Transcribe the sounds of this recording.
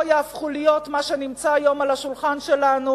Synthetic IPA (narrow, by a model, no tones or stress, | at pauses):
jaafχulijo̞tmaʃenimt͡saːjo̞malaʃulχanʃelanu